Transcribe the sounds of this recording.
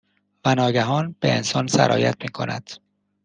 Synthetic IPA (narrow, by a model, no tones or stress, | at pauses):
vænɒːɟæɦɒːnb̥e̞ensɒːnsæ̰ɾʔɒ̰ːjæt̪ʰmiːkʰo̞̰næ̰d̪̥